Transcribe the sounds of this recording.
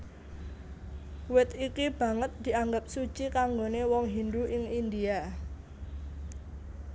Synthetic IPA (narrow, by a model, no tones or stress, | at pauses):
wɪt̪ikib̥ä̤ŋət̪̚d̪̥i̤aŋɡəp̚sut͡ʃikaŋɡonewɔŋɦind̪uʔɪŋind̪ia